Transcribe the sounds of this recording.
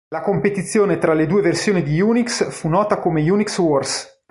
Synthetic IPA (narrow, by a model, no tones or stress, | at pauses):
lakompet̪it̪sːjoːnet̪ɾaled̪uːeversjoːnid̪ijuːniksfunɔːt̪akomejunikswɔrs